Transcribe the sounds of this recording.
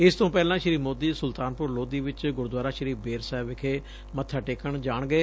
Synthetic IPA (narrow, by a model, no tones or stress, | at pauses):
ɪst̪õːpɛːlãːʃəɾiːmoːd̪iːsʊlt̪aːnpʊɾloːd̪iːʋɪt͡ʃɡʊɾd̪waːɾaːʃəɾiːbeːɾsaːɪbɪkʰeː | mət̪ʰːaːʈeːkəɳd͡ʒaːɳɡəeː